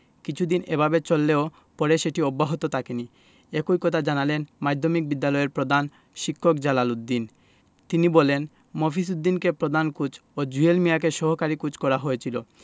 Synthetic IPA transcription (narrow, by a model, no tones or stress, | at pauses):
kit͡ɕʰud̪inebʱabet͡ɕolːeo | pɔɾeʃeʈiobːaɦot̪ot̪ʰakeni | ekojkɔt̪ʰad͡ʑanalenmajd̪ʱːomik̚bid̪ːalɔeɾpɾod̪ʱan | ʃikʰːokd͡ʑalalud̪ːin | t̪inibolen | mofʰis̬ud̪ːinkepɾod̪ʱankud͡ʑʰod͡ʑuelmiakeʃɔɦokaɾikud͡ʑkɔɾaɦoet͡ɕʰilo